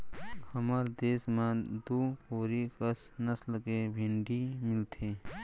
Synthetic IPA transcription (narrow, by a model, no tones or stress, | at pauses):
həmaːɾd̪eːsmãd̪uːkoːɾikəsnəslkebʱẽɳɖimɪlt̪ʰeː